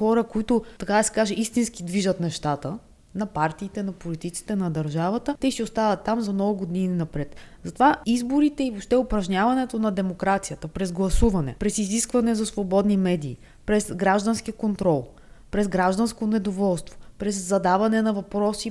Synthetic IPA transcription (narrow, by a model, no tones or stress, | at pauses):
xɔɾəkoit̪ʊt̪ɐkad̪ɐsɛ̥kaʒɛʔist̪inskid̪viʒət̪nɛʃt̪at̪ə | nɐpaɾt̪iːt̪ɛnɐpolit̪it̪si̥t̪ɛnɐd̪ɐɾʒavɐt̪ət̪ɛsiʊst̪avɐt̪ːamzɐmnɔɡʊɡod̪ininɐpɾɛt̪zɐt̪ovaizboɾit̪ɛivopʃt̪ɛʊpɾɐʒnʲavɐnɛt̪onɐd̪ɛmokɾat̪sijət̪əpɾɛzɡlˠɐsuvɐnɛ̰pɾɛsiziskvɐnɛzɐsvobɔd̪nimɛd̪iː | pɾɛsɡɾaʒd̪ənsk̟ikont̪ɾɔlˠ | pɾɛzɡɾaʒd̪ɐnskonɛd̪ovɔlˠst̪vopɾɛzːɐd̪avɐnɛnɐvɐpɾɔsi